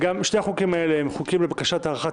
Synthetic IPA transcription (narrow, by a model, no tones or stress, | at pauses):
ɡamʃt̪eaχukimaeleemχukimlebakaʃat̪aːʁaχa